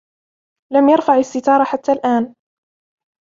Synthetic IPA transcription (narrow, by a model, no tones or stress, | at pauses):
lamjɑɾˤfaʕasːɪt̪ɑːɾˤɑħat̪ːalʔaːn